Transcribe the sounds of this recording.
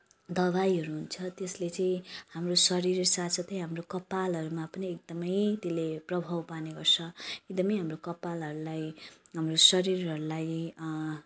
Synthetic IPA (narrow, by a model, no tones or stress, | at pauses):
d̪ʌβajɦʌɾuɦunt͡sʰʌt̪eslet͡sʌĩhamrosʌɾiɾsasʰʌt̪ʰʌjɦamrokʌpːalɦʌɾumapʌniek̚d̪ʌmʌjt̪eleprʌbʱawpaneɡʌrt͡sʰʌek̚d̪ʌmʌjɦamrokʌpːalɦʌɾulajɦamrosʌɾiɾɦʌɾulaj